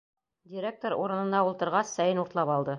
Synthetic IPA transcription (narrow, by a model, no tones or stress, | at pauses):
dʲiɾʲek̚t̪oɾṵɾɤ̆nɤ̆nd̪ɑulˠt̪ɤ̆ɾʁɑsːæjɘnuɾt̪lˠɑpɑlˠd̪ɤ